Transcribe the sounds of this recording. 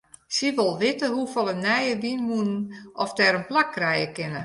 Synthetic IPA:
siʋolˠʋɪtəɦufɔlˠənɛjəʋinmunnʔɔfdɛːɾənplakːrɛjəkɪnə

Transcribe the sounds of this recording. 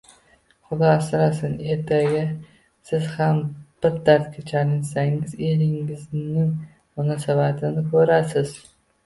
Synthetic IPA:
χʊd̪ɒsɪɾasɪne̞ɾt̪ʰaɡʲa | sɪz̥hamb̥ɪɾd̪aɾt̪kʲʰat͡ʃʰalɪnsaŋɪzelɪŋɪznɪŋ | mʊnɑsabat̪ʰɪnɪkʲʰɵɾasɪz̥

